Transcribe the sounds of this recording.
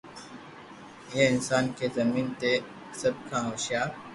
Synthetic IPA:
jeɪnsaːnkezɐmiːnt̪e | sɐb̚kʰãɦoːʃjaː

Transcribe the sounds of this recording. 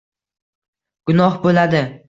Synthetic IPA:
ɡ̥ʊnɒhbolad̪ɪ

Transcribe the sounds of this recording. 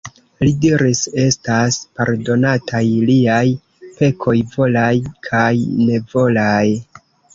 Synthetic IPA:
lidiɾise̞staspaɾdo̞natʰajliaj | pe̞kʰo̞jvo̞lajkʰajne̞vo̞laj

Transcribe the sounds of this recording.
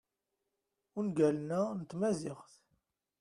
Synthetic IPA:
ʊnɡælnænət̪ːmæzɪʁθ

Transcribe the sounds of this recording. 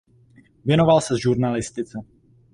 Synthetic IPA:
vjɛnovalsɛzʒuɾnalɪst̪ɪt͡sɛ

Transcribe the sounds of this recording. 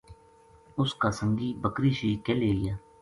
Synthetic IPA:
ʊskaːsə̃ŋɡiːbəkɾiːʃiːkeːleːɪjaː

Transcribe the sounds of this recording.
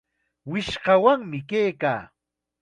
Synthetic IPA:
wɪʃɢɑwaŋmɪkejka̰ː

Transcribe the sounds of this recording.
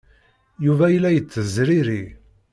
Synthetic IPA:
juvæjəlːæjət͡sːəzɾiɾi

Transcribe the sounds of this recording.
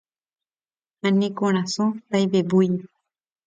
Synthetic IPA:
ãnẽkõɾ̃ãsõt̪ajbebuj

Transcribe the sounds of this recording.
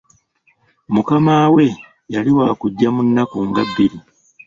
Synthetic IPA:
mukamaːwe̞ | jaliwaːkuɟːamunːakuŋɡabːiɾi

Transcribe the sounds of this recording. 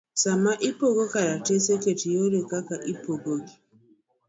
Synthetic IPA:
samaʔipoɡokaɾateseketijoɾekakaʔipoɡoɡi

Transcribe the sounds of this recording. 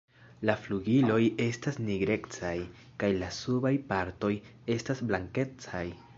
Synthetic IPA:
lafluɡilo̞je̞stasniɡɾe̞kt͡saj | kajlasubajpaɾto̞je̞stasblaŋke̞t͡saj

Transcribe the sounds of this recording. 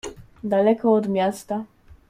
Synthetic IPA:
d̪alɛkʰɔɔd̪mʲjast̪a

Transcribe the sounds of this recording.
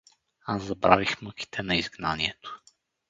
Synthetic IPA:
asːɐbɾa̰vixmɤki̥t̪ʰɛnɐizɡnaniɛt̪o̥

